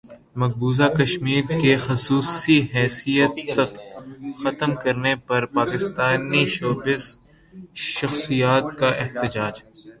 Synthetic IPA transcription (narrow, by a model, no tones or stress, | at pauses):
mɐk̚buːzakɐʃmiːɾkexʊsuːsiɦɛːsijət̪ːɐkxɐt̪əmkɐɾnepɐɾpaːkɪst̪aːniʃoːbɪz | ʃɐxsijaːt̪kaʔɪht̪ɪd͡ʒaːd͡ʒ